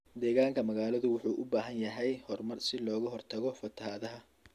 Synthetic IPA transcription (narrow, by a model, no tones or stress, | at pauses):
d̪ɛːɣaːŋkʰɐmɐɣaːlɐðʊwʊħuːʔʊbaːɦɐnjɐɦɛjhɔrmɐrsɪlɔːɣɐɦɔrt̪ʰɐɣɔfɐt̪ʰɐhaːðɐɦɐ